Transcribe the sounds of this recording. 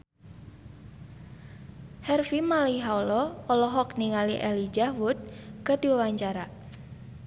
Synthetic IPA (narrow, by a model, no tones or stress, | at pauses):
hɛrfimaliɦaulɔɔlɔɦɔkniŋaliʔɛlid͡ʒawut̪̚kərdiwawaɲt͡ʃaɾa